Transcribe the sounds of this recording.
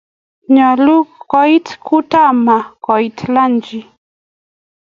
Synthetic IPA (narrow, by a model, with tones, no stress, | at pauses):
ɲɔ˨lu˦kkɔ˦i˦tku˦ta˦ma˨kɔ˨itla˦nd͡ʒi˨